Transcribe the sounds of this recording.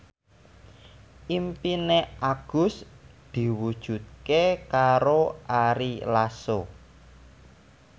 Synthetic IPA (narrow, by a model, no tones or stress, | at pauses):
ʔimpineʔaɡ̥ʊ̤s | d̪̥i̤wud̥ʒ̥ṳt̪̚kekaɾoʔaɾilaso